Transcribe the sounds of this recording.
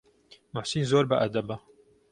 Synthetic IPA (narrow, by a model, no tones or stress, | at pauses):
mʊħsiːnzoːɾbɐʔɐd̪ɐbɐ